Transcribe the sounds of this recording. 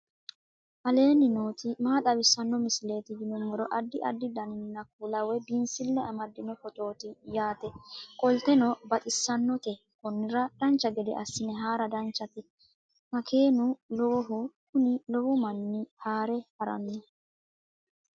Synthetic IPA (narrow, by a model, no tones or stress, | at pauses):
ʔɐle̞ːnɪno̞ːt̪ɪmaːt̪ʼɐbɪsːɐnːɔmɪsɪle̞ːt̪ɪd̪ɪnɔmɔɾɔʔɐd̪ːɪʔɐd̪ːɪd̪ɐnɪnːɐkuːlɐwɛbɪnsɪlːɛɐmɐd̪ːɪnɔfɔt̪ʼo̞ːt̪ɪjaːt̪ɛkʼɔlt̪ɛnɔbɐt̪ʼɪsːɐnːɔt̪ɛ | kɔnːɪɾɐd̪̥ɐnt͡ʃːɐɡɛd̪ɛ̰ʔɐsːɪnɛɦaːɾɐd̪ɐnt͡ʃːɐt̪ɛ | mɐkʰe̞ːnʊlɔwɔɦʊkʊnɪlɔwʊmɐnːɪhaːɾɛhɐɾɐ̰nːɔ